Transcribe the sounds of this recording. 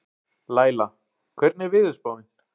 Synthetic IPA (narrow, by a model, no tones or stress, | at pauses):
laːjla | kʰvɛɾt̪nɛɾvɪðʏspaːwɪn